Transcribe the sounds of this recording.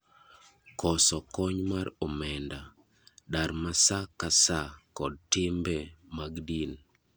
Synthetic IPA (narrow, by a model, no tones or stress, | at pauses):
kʰɔsɔkɔɲmaɾɔmɛnda | daɾmasakasakɔd̚tɪmbɛmaɡdin